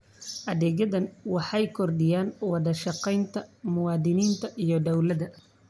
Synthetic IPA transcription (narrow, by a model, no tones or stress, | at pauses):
ʔɐðɛːɣɐðɐnwɑħɑjkʰɔrd̪ɪjaːnwɑðɐʃɑqɛjnt̪ʰɐmʊwɑːðɪniːnt̪ʰɐʔijɞd̪ɔwlɐðɐ